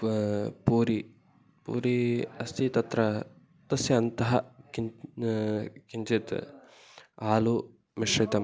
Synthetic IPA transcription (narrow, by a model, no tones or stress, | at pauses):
puːɾi | pṵːɾiɐst̪ʰit̪ɐt̪ɾɐ | t̪ɐsjɐɐnt̪ɐɦɐki | kint͡ʃit̪ | aːlu | miʃɾit̪ɐm